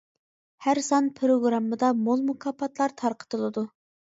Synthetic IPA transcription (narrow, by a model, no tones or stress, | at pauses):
hæɾsɑnpʰɾoɡɾɑmːɨd̪ɑmolˠmukʰɑpʰːɑt̪lˠɑɾt̪ʰɑɾqə̥t̪ɨlˠɨd̪u